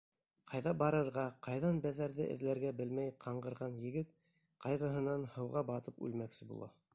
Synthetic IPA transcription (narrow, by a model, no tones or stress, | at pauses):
qʰɑjðɑbɑɾɤ̆ɾʁɑqɑjðɑnbæðæɾðɘ̰ʔɘ̰̆ðlæɾɡæbɘlmæjqʰɑɴɢɤ̆ɾʁɑnjɘ̆ɡɘt̪̚ | qɑjʁɤ̆ɦɤ̆nɑnhɤ̆wʁɑbɑt̪ɤpʉ̰lmæksɘbṵlˠɑ̰